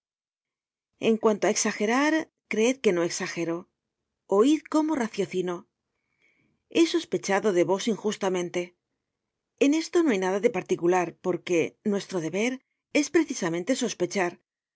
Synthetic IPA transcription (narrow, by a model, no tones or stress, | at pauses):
e̞ŋkwant̪oae̞ksaxe̞ɾaɾ | kɾeeð̚ke̞no̞e̞ksaxe̞ɾo̞ | oiðko̞mo̞raθjo̞θino̞ | e̞so̞spe̞t͡ʃaðo̞ðe̞βo̞siŋxust̪amẽnt̪e̞ | ene̞st̪o̞noajnaðaðe̞paɾt̪ikulaɾpo̞ɾke̞nwe̞st̪ɾo̞ð̞e̞βe̞ɾ | e̞spɾe̞θisamẽ̞nt̪e̞so̞spe̞t͡ʃaɾ